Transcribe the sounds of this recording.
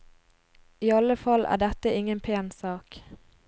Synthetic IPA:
iːɑləfɑlʔæ̰ːɖɛt̪əɪŋənpʰeːnsɑːk

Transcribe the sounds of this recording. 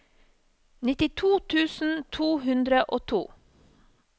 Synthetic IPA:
nɪt̪ɪt̪ʰuːt̪ʰʉːsn̩t̪ʰuːhʉnd̪ɾəʔoːt̪ʰṵː

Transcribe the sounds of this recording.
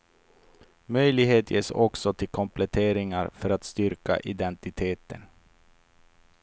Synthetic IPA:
mœjlɪɡɦeːt̪jeːsɔksɔt̪ʰɪlkʰɔmplɛt̪ʰeːɾɪŋaɾfœɾat̪st̪ʏɾka̰ʔɪd̪ɛnt̪ɪt̪ʰeːt̪ə̰n

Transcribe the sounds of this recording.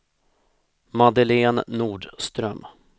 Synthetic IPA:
mad̪əleːnːuːɖst̪ɾœm

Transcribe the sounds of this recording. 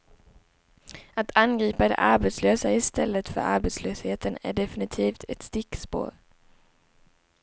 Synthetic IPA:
at̪ʰanɡɾiːpad̪ɛ̰ʔaɾbɛt̪sløːsaɪst̪ɛlːət̪fœ̰ɾa̰ɾbɛt̪sløːsheːt̪ənæ̰ɖɛfɪnɪt̪ʰiːft̪ʰɛt̪st̪ɪkspo̰ːɾ

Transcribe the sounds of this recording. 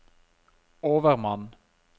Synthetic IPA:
oːʋəʁmɑn

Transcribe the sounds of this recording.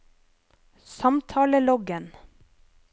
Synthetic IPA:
sɑmt̪ʰɑːləlɔɡən

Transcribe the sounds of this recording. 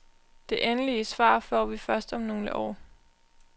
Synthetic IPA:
d̥e̝ʔenəliəsʋɑ̰̈ːfɒ̰ːʋifɶɐsd̥ɒ̽mno̝ːlə̰ʔɒ̰ː

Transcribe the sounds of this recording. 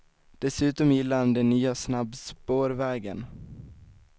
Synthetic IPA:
d̪̥ɛsʉ̟ːt̪ɔmjɪlːaɾand̪ɛnːyːasnabspoːɾvɛːɡə̰n

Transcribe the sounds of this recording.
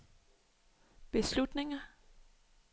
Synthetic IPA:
b̥e̝slud̥ne̝ŋɐ

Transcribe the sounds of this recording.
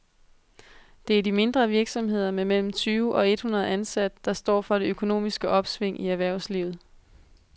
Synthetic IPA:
d̥e̝æɐd̥ime̝nd̥ʁɐʋiɐɡ̥sɒ̽mɦe̝ð̞̰ˠɐmemel̰m̩t͡sʰyːʊʔɒ̽e̝d̥hunɐðˠænsæd̥əd̥ɑ̈sd̥ɒ̰ːfɒ̽ɾ̥e̝økʰo̝no̝̰ːmisɡ̥əʔɒ̽b̥sʋe̝ŋ̰iæʋæɐ̰ʊsliʊð̞̩ˠ

